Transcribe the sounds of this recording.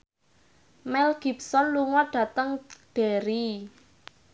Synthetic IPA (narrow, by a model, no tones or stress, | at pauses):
mɛlɡ̥ip̚sɔnluŋɔɖ̥ä̤t̪əŋɖ̥eɾi